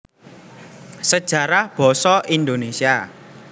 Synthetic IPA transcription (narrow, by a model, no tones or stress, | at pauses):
səd̥ʒ̥a̤ɾahb̥ɔ̤sɔʔind̪onesia